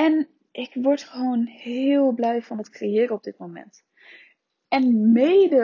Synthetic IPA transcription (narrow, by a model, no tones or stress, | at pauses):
ɛn | ʔɪkʋɔɹtχəʋoːnhɪːlˠblɛjvɑnətkrejɪːɾəɔb̚dɪt̚momɛ̰nt | ɛnmejdə